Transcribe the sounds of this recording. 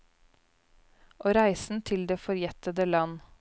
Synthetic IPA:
ʔoːɾæɪsn̩t̪ʰɪld̪eːfɔɾjɛt̪əd̪əlɑn

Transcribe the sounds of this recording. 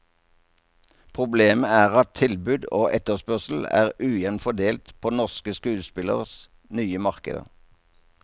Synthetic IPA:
pʰʁʊbleːməæːʁɑt̪̚t̪ʰɪlbʉːd̪oːʔɛt̪əʁspœʁsl̩æ̰ːʁʉːjɛnfɔd̪eːlt̪pʰoːnɔʁskəskʉːspɪlə̰ʁəs | nyːəmɑʁkə̰d̪ə̰

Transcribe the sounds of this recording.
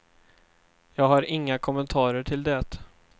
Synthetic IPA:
jɑːɡhaɾɪŋːakʰɔmənt̪ʰɑːɾəʈʰɪld̪ɛt̪

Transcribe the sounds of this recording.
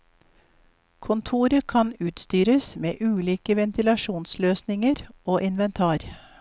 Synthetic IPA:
kʰʊnt̪ʰuːɾəkʰɑnʉːt̪st̪yːɾəsmḛːʔʉːliːkəʋɛnt̪ɪlɑʃuːnsløːsnɪŋəɾoːʔɪnʋɛnt̪ʰɑːɾ

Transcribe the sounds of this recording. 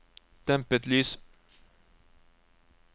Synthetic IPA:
t̪ʰɛmpət̪lyːs

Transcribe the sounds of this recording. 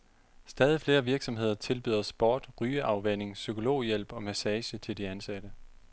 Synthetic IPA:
sd̥ɛːð̞ˠifle̝ːɐʋiɐɡ̥sɒ̽mɦe̝ð̞̰ˠɐt͡sʰe̝lb̥y̰ːð̰ˠɐsb̥oːd̥ʁyːəʔɑ̈ʊʋen̰e̝ŋsykʰo̝lo̝̰ːjel̰b̥ɒ̽mæsɛːɕət͡sʰe̝ld̥iænsæd̥ə

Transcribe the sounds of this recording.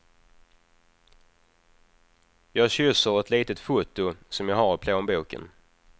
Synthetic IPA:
jɑːɡɕʏsəɾɛt̪liːt̪ət̪fuːt̪ʊsɔmjɑːɡhɑɾɪpʰloːmbuːkə̰n

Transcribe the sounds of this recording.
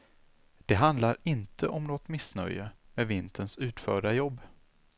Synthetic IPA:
d̪̥ɛɦand̪laɾɪnt̪ʰəʔɔmnɔt̪mɪsnœ̰jəmevɪnt̪ʰənsʉ̟ːt̪fœːɖajɔbː

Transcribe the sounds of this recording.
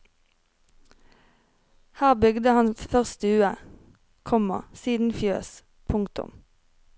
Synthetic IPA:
hæːʁbʏɡd̪əhɑnfœʁst̪əʉːə | kʰɔmɑ̰siːd̪n̩fjøːs | pʰʊŋkt̪ʊ̰m

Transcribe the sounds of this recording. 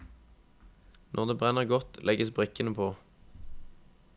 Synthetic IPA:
nʔɔʁd̪eːbʁɛnəʁɡɔt̪lʔɛɡəsbʁɪkənəpʰoː

